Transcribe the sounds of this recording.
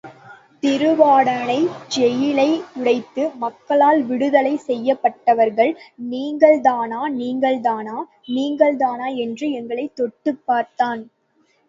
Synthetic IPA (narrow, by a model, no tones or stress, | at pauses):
t̪ɪɾɯʋaːɽɐɭɐɪd͡ʒɛjɪlɐɪʊɽɐɪt̪ːɯmɐkːɐɭaːlʋɪɽɯðɐlɐɪsɛjːɐpːɐʈːɐʋɐɾɣɐɭniːŋɡɐɭðaːnaːniːŋɡɐɭðaːnaː | niːŋɡɐɭðaːnaːɛndrɯɛŋɡɐɭɐɪt̪ːɔʈːɯpːaːɾt̪aːn